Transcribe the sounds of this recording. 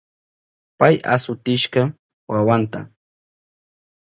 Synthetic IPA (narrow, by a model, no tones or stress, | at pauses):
paja̰sʊt̪ɪʃɢɑ | wawant̪a̰